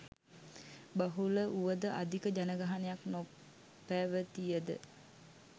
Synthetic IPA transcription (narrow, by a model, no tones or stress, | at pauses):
baɦuləʔuʋəd̪əʔa̰d̪ikəd͡ʒanəɡaɦanejakno | pæːʋət̪ijəd̪ə̰